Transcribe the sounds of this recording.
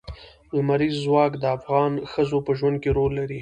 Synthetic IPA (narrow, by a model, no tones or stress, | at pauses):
lmaɾizːwɑkd̪əafɣɑnxəzopəʒwand̪̚keɾolːaɾi